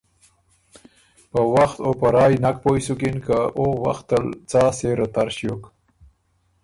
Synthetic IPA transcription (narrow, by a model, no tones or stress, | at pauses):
pəwaxt̪opəɾɑːjnak̚pojsukinkaʔowa̰xt̪əlt͡sɑːseɾat̪aɾʃjok